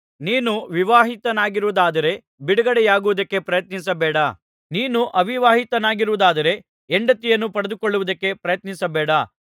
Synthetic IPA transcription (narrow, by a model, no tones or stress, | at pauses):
niːnuʋiʋaːɦit̪ɐnaːɡiɾuʋud̪aːd̪ɐɾe̞ | biɽɐɡɐɽejaːɡuʋud̪ɐkːe̞pɾɐjɐt̪nis̬ɐbɛːɽɐ | niːnuʔɐʋiʋaːɦit̪ɐnaːɡiɾuʋud̪aːd̪ɐɾe̞ | eɳɖɐt̪ːijɐnːupɐɽɐd̪ukoɭːuʋud̪ɐkːe̞pɾɐjɐt̪nisɐbɛːɽɐ